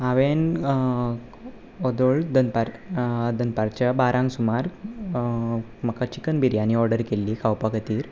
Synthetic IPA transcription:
ɐʋeːn | ɔd̪oɭd̪ɐnpɐɾd̪ənpɐɾt͡ʃɐbaːɾʔaːŋɡsumaːɾ | mɐkat͡ʃikːɐnbiɾjaːniɔːɾɖəɾkelːikawpɐkɐt̪iːɾ

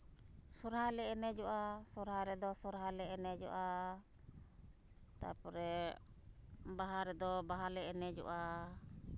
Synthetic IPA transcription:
sɔɾɦalɛɛnɛd͡ʒɔʔasɔɾɦaɾɛd̪ɔsɔɾɦalɛɛnɛd͡ʒɔ̰ʔa | t̪a̰pɔɾɛ | baɦaɾɛd̪ɔbaɦalɛɛnɛd͡ʒɔ̰ʔa

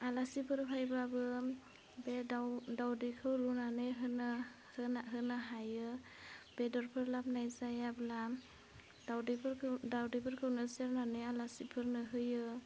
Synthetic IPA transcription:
alasipʰɯɾpʰajbabɯ | beadawdikʰɯwɾunanɯɦɯna | naɦɯnaɦajɯ | b̥edɔɾpʰɯɾlap̚najzajabɯla | dawdipʰɯɾʰdawdipʰɯɾkʰɯwnɯseɾnanɯalasipʰɯɾnɯɦɯjɯ

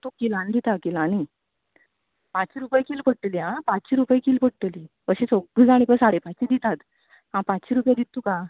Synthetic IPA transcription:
t̪ukilãnd̪it̪akilãni | pãt͡ɕiɾupəjkiːlpəɽʈliãpatt͡ɕiɾupəjkiːlpəɽʈəlikəɕĩt͡soɡəd͡zaɽ̃ipəsaɽepat͡ɕid̪it̪at̪ | ɦãpãt͡ɕiɾupjad̪it̪ːuka

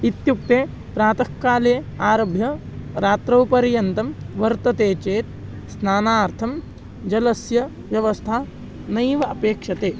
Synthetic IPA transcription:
it̪juk̚t̪eː | pɾaːt̪ɐkːaːleː | aːɾɐbʱjɐ | ɾaːt̪ɾɐwpɐɾjɐnt̪ɐmʋɐɾt̪ɐt̪eːt͡ʃeːt̪̚ | snaːnaːɾt̪ʰɐm | d͡ʒɐlɐsjɐ | ʋjɐʋɐst̪ʰa | nɐjʋɐɐpeːkʂɐt̪eː

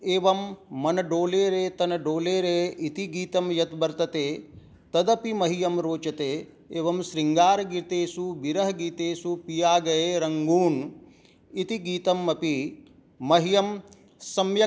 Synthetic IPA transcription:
eːʋɐmːɐnɐɖoːleːɾeːt̪ɐnɐɖoːleːɾeːʔit̪iɡiːt̪ɐmjɐt̪bɐɾt̪ɐt̪eː | t̪ɐd̪ɐpimɐɦijɐmɾoːt͡ʃɐt̪eː | eːʋɐmʃɾiŋɡaːɾɐɡiɾt̪eːsubiɾɐɦɐɡiːt̪eːsupijaːɡɐjeːɾɐŋɡuːn | it̪iɡiːt̪ɐmːɐpi | mɐɦijɐm | sɐmjɐ

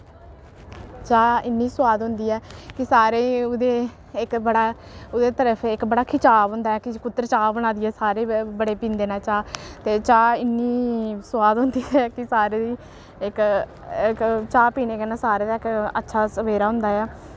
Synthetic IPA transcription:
t͡ʃaːɪnːiːsʊwaːd̪ɦʊ̃nd̪iːɛːkɪsaːɾeːʊd̪eː | ɪkbəɽaːʊd̪eːt̪əɾəfʰɪkbəɽaːkʰɪt͡ʃaːbɦʊ̃nd̪aːɦɛːkɪkʊt̪ːəɾt͡ʃaːbəɽ̃aːd̪iːɦɛːsaːɾeːbəɽeːpĩːnd̪eːnãːt͡ʃaːt̪eːt͡ʃaːɪnːiːsʊwaːd̪ɦʊ̃nd̪iːɦɛːkɪsaːɾeːd̪iː | ɪk | kt͡ʃaːpiːneːkeːnaːsaːɾeːd̪aːɪkətːʃʰaːsəʋeːɾaːɦʊ̃nd̪aːɦɛː

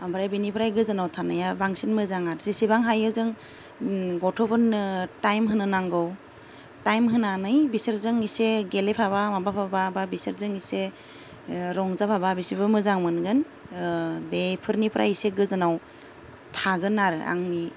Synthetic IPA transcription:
ambʰɾajbinipʰɾajɡɯzɯnawtʰanajabaŋsinmɯzaŋaɾsesibaŋɦajɯzɯŋ | ɡɔtʰɔpʰɯntajmɦɯnɯnaŋɡɯw | tajmɦɯnanɯjbiseɾzɯŋiseɡelepʰaβamabapʰabababiseɾzɯŋise | ɾɔŋzapʰaβabisibɯmɯzaŋmɯnɡɯn | bepʰɯɾnipʰɾʔajiseɡɯzɯnaw | tʰaɡɯnaɾɯa̰ŋni

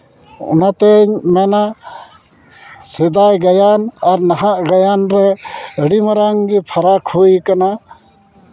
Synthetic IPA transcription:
ɔ̰nat̪ɛɲmɛna | sɛd̪ajɡajanaɾnaɦaʔɡajanɾɛəɽimaɾaŋɡipʰaɾakʰhujkana

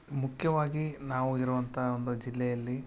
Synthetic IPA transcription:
mukʰjɐʋaːɡinaːʋuiɾuʋɐnt̪ʰɐond̪ud͡ʒilːɛjɐlːi

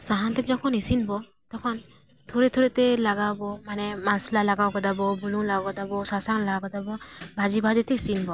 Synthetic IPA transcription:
saɦantɛzɔkʰɔnisinbɔ | tɔkʰɔn | tʰoɾitʰoɾitɛlaɡabɔmanɛmansilalaɡawkɔdabɔbululakɔdabɔsasaŋlaɡakɔdabɔbʱazibʱazitɛisinbɔ

